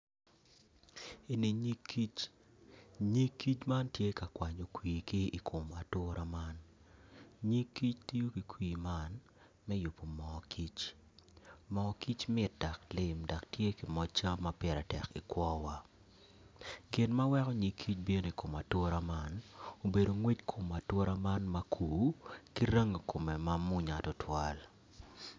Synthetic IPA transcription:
e˨ni˨ɲi˦kːi˦t͡ʃ | ɲi˦kːi˦t͡ʃma˦ntje˦ka˨kwa˨ɲo˨kwiː˨kɪ˦i˨kʰo˨ma˨tʊ˦ɾʔa˦ma˦n | ɲi˦kːi˦t͡ʃti˦jo˦ki˨kwiː˨ma˦˨n | mɛ˦ju˨pːo˨mɔ˨kʰi˦t͡ʃ | mɔ˨ki˦t͡ʃmɪ˦t̚da˨klɪ˨mda˨ktje˦ki˨mɔ˦t͡ʃa˦mːa˦pjɛ˨ɾa˨tɛ̰˨kḭ˨kwɔ˦wa˦ | ɡɪ˨nma˦wɛ˦kɔ˦ɲi˨˦kʰːi˦t͡ʃbje˦n˦˨i˨ko˨ma˨tʊ˦ɾa˦ma˦no˨be˨do˨ŋwe˦tkʰo˨ma˨tʊ˦ɾʔa˦ma˦nma˦kʰuː˨ki˦ɾe˦ŋo˨kʰo˨me˨ma˦mʊ˦ɲa˨tɔ˦tʰwa˦l

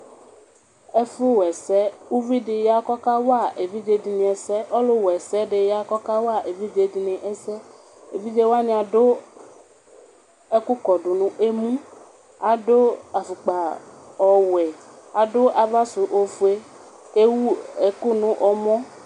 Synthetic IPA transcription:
e˦fu˦wɛ˨sɛ˦wu˦vi˦ɖɪ˨ja˦kɔ˦ka˦wa˦˨ʔe˨vi˦d͡ʒe˦di˨nĩ˨ɛ˨sɛ˦ʔɔ˦lo˦wɛ˨sɛ˦ɖe˨ja˦kɔ˦ka˦wo˦a˦˨ʔe˨vi˦d͡ʒe˨di˨nɪ̃˨ʔɛ˦sɛ˦ | e˨vi˦d͡ʒe˦wo˦a˦nĩ˦a˨ɖo˦ | e˦ku˦kɔ˨ɖʊ˨nũ˨ʔe˦mũ˦ | a˨do˦a˨fu˨k͡pa˨ | ɔ˨wɛ˨a˨do˦ʔa˨va˦su˨ʔo˨fu˨e˦ | e˦wu˦e˨ku˦nũ˦ʔɔ˨mɔ̃˦

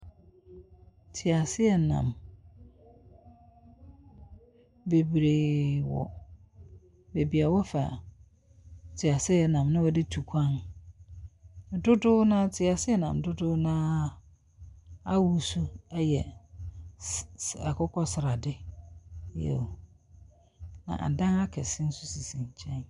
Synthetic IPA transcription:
tʰɪ˨a˨sɪ˦ɛ˨nã̰˨m | be˨bɾeː˨wɔ̰˨ | be˨bi˨a˨wɔ˦fa̰˨ | tʰɪ˨a˨sɪ˦ɛ˨nã˨mnɪ̃˦wɔ˨dɪ˦tʰu˨kʷʰã˦n˨ | dʊ˦dʊ˦nã˦tʰɪ˨a˨sɪ˦ɛ˨nã̰˨m˨dʊ˦dʊ˦nãː˦ | a˦wu˨su˦ɛ˦jɛ˨ | a˨kʰʊ˦kʰɔ˦sɪ˨ɾa˨dɪ˦ | jɛ̰˨ | nã̰˨ʔa̰˨dã˦na˦kʰɛ˨sɪ˦n̩˦sʊ˦si˨sĩ˨ɲ˨t͡ɕʰɛ̃˦n

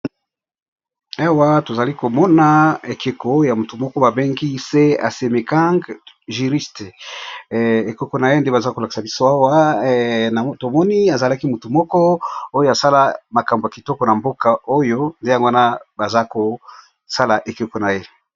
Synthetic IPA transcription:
a˦wa˦to˨za˨li˦ko˨mɔ˦na˦e˨ke˨ko˨˦ja˨mu˨tu˨mɔ˦kɔ˦ba˨be˦ŋɡi˦se˦a̰˨se˨me˨ka˦ŋɡ | ʒi˨ʁi˦ste˨ | e˨kɔ˨˦ko˨na˨je˦nde˦ba˨za˦ko˨la˨ki̥˨sa˨bi˦so˦a˦wa˦ | na˨to˨mɔ˦ni˦a˨za˨la˦ki˦mu˨tu˨mɔ˦kɔ˦o˦jo˦a˨sa˦la˦ma˨ka˨mbo˨ja˨ki˨tɔ˦kɔ˨na˨mbo˦ka˨o˦jo˦nde˦ja˨ŋɡo˦a˦na˦ba˨za˦ko˨ | sa˦la˨ʔe˨ke˨ko˨na˨je˦

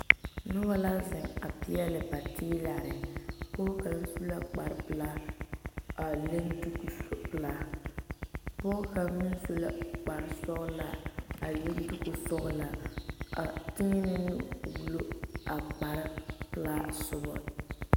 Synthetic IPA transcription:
nʊ˦ba˦la˦zɪ˨ŋa˨pɪ˦ɛ˦lɪ˨pa˨tʰiː˦la˨ɾɪ˨pʊ˦ka˨m˦nsu˦la˦k͡pa˨ɾɪ˨pɨ˦laː˦ | a˨le˦ndu˦ku˨pla˦ | pʊ˦ka˨˦mɪ˦n˦su˦la˦k͡pa˨ɾɪ˦sɔ˦ɣla˨a˨le˦n˦du˦ku˨sɔ˦ɣla˨a˨tɪ˦ŋ˦nɪ˦nu˦˨wu˦˨˦lo˦a˨k͡pa˨ɾɪ˦pɨ˦la˦sʊ˦bɔ̰˦

